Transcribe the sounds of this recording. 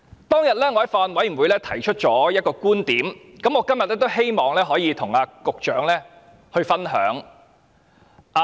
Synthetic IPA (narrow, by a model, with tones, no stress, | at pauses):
t̪ɔː˥ŋjɐ˨t̚lɛː˥ŋɔ˧ɐ˨˥jfaː˧nwɐ˨˥jm̩˨˩wu˨˧jlɛː˥t̪ʰɐ˨˩jt͡ʃʰɵ˥t̚t͡ʃɔː˨˥jɐ˥t̚kɔː˧kuː˥nt̪iː˨˥m | kɐ˨˥mŋɔː˨˧kɐ˥mjɐ˨t̚lɛː˥t̪o˥wɦe˥jmɔː˨˧ŋlɛː˥ɦɔː˨˥jiː˨˧t̪ʰʊ˨˩ŋaː˧kʊ˨k̚t͡ʃœː˨˥ŋlɛː˥ | hɵ˧ɥfɐ˥nɦœː˨˥ŋ | ʔa˨